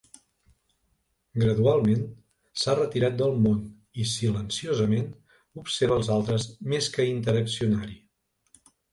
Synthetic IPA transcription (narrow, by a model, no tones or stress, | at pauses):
ɡɾəðualˠmen | sarət̪iɾat̪̚d̪əlˠmon | isilənsiozəmen | upseɾβəlˠzalˠt̪ɾəzmeskəint̪əɾəksiunaɾi